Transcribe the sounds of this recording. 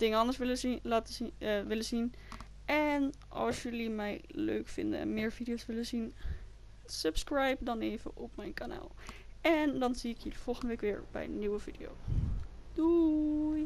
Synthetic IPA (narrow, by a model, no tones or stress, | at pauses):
d̥ɪŋəɑndəɹsʋɪllaːtʋɪləzin | ɛn | ʔɑ̰lˠsjəlimɛjlø̰ɥkfɪ̰ndə̰nɛ̰nmɪːɹv̥idijowsʋɪləzin | səpskrɛjp̚dɑnejvə̰ʔɔpmɛjnkana̰ːlˠɛndɑnziɪkjəliv̥ɔlˠχəndəʋejkʋɪːɹbɛ̰jənywəv̥idijo̰w | duj